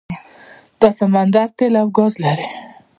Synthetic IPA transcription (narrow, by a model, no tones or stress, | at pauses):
t̪ɑsamand̪aɾt̪elawɡɔzlaɾe